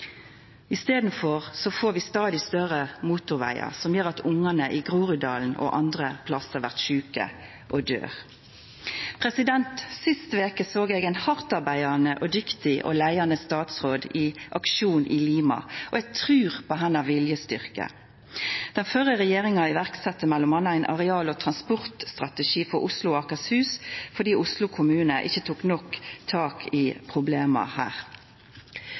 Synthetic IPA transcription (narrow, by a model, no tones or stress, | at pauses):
ɪst̪eːd̪n̩fɔʁsɔfoːɾʋɪst̪ɑːd̪ɪst̪œʁəmuːt̪ʊɾʋæ̰ɪɑ̰sɔmjøːʁɑt̪ʊŋənəʔɪɡʁuːʁʏd̪ɑ̰ːln̩ɔ̰ʔɑnd̪ʁəpʰlɑsəʁʋæʁt̪ʃʉːkə̰ | ʔɔd̪ø̰ːʁ | pʰʁɛsɪd̪ɛnt̪sɪst̪əʋeːkəsoːɡeːɡɛɪnhɑʁt̪ɑʁbæɪɑnəʔɔd̪ʏkt̪ɪʔɔ̰læɪɑnəst̪ɑːt̪sʁoːd̪ɪʔɑkʃuːnʔɪliːmɑ̰ʔɔæt̪ʰʁʉːʁpɔɦɛnɑʋɪljəst̪ʏʁkə̰ | d̪̥ɛnfœʁəʁɛjeːʁɪŋɑɪʋæʁksɛt̪ːəmɛlːɔmhɑnːəæɪnʔɑ̰ʁɛɑːlɔt̪ʰʁɑnspɔʁt̪st̪ʁɑt̪əʃiːfɔɾʊslʊɑkɑshʉːsfɔʁd̪iːʊslʊkʰʊmʉːnəʔɪ̰çːət̪ʰuːknɔkt̪ʰɑːkʰɪpʰʁʊbleːmɑ̰hæ̰ːʁ